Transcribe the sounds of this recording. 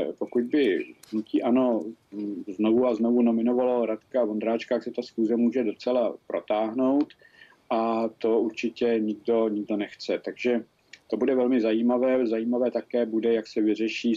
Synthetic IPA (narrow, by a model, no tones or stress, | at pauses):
po̞kud̪̚bɪnuciːʔano̞ | zno̞vuaznovuno̞mɪno̞valaɾat̪kavond̪ɾaːt͡ʃkaksɛt̪asxuːzɛmuːʒɛdo̞t͡sɛlapɾot̪aːɦno̞wt̪ | ʔat̪o̞uɾt͡ʃɪcɛɲɪɡ̚do̞ɲɪɡdo̞nɛxt͡sɛt̪aɡʒɛ | t̪o̞budɛvɛlmɪzajiːmavɛːzajiːmavɛːt̪akɛːbudɛjaksɛvɪr̝ɛʃiː